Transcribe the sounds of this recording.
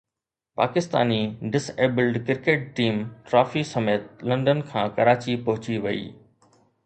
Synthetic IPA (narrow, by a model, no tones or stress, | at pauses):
pa̰ːkɪst̪a̰ːniɖɪseːbɪlɖkɪɾkeːʈ̚ʈiːmʈɾaːfisɐmeːt̪̚lɐ̃ɳɖənkʰãːkɐɾaːt͡ɕipɐɦʊt͡ɕiʋɐḭː